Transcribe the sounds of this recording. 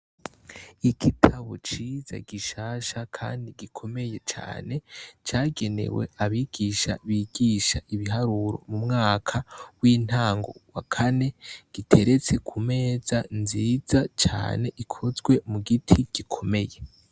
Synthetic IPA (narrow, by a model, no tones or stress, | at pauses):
iɡitʰaβo̰t͡ʃiza̰ɡiʃaːʃakʰa̰ːndiɡikʰo̞me̞je̞t͡ʃa̰ːne̞t͡ʃaːɡe̞ne̞̰we̞̰aβiːɡ̥iːʃa̰βiɡiʃaʔiβiɦaɾuɾo̞̰mumŋaːkʰawiːn̥haːŋɡo̞̰wakʰane̞ɡ̥itʰe̞ɾe̞t͡se̞kʰume̞ːzanziːzat͡ʃa̰ːne̞ʔikʰozɡwe̞muɡitʰiɡ̥ikʰo̞me̞je̞